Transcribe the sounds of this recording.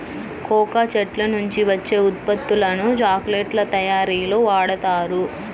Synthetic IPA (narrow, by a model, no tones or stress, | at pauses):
kɔːkat͡ʃɐʈlɐnuɲt͡ʃiʋɐt͡ʃːe̞ːut̪̚pɐt̪ːulɐnud͡ʒaːkleːʈlɐt̪ɐjaːɾiːlo̞ːʋaːɽɐt̪aːɾu